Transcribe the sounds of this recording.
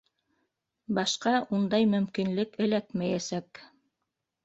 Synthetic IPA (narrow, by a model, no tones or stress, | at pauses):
bɑʃqɑʔund̪ɑjmɵ̆mkinlɘkɘ̆lækmæjæsæk